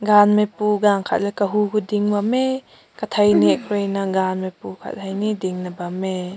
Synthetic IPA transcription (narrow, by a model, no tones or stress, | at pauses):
ɡanmepuɡaŋkʰa̰t̚lɛkɐɦukʰudiŋbɐme | kɐt̪ʰɐjniɛkʰɾejnɐɡanmepukʰa̰thajnidiŋnɐbɐme